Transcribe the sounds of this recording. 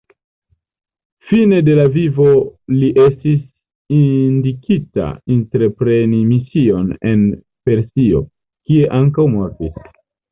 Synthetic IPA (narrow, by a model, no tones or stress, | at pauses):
fine̞de̞lavivo̞liʔe̞stis | indikita̰intɾe̞pɾe̞nimisio̞ne̞n | pe̞ɾsio̞̰ | kie̞ʔaŋkawmo̞ɾtis